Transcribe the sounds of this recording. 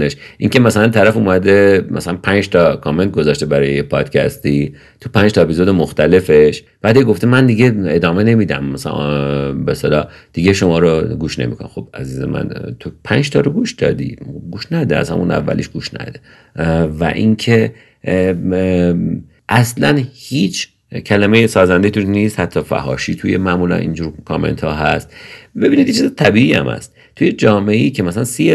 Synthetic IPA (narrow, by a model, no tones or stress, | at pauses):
neʃʔiːŋcʰemæsælænt̪ʰæɾæfumæd̪emʔæ̰sælænpʰænd͡ʒt̪ʰɒkʰɒme̞nt̪̚ɡozɒːʃt̪ebæɾɒːjejepʰɒːd̪̥cʰæ̰st̪iː | t̪ʰupʰænd͡ʒt̪ʰɒepizod̪emoxt̪æle̞feʃ | b̥æːd̪jeɡo̞ft̪emænd̪iɡeed̪ɒːmene̞miːd̪æ̰mːæsæ̰ | best̪elɒːd̪̥iɟeʃo̞mɒːɾoɡuːʃne̞̰mḭkʰon̰xo̞b̥æ̰zizḛmʔæ̰nt̪ʰopʰænd͡ʒt̪ʰɒ̰ːɾoɡuʃd̪ɒ̰d̪ḭːɡuːʃnæd̪eæ̰shæ̰munæ̰vːæ̰lḭːʃɡuːʃnæ̰d̪e | væ̰ʔincʰe | ʔæslænhiːt͡ʃʰ | cʰælæmejesɒːzænd̪et̪ʰuniːst̪hæt̪ʰːɒːfæ̰ɦɒ̰ːʃiːt̪ʰujemæʔmulæ̰nʔḭnd͡ʒuːɾkʰome̞̰nt̪ʰɒːɦæst̪be̞biːnid̪jet͡ʃʰizet̪ʰæbiːiːæ̰mhæ̰st̪̚ | t̪ʰujed͡ʒɒːmeʔeiːcʰemæsælænsije